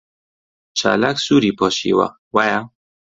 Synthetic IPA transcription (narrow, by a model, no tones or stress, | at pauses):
t͡ʃʰa̰laksuːɾipʰɔːʃḭwa̰ | waja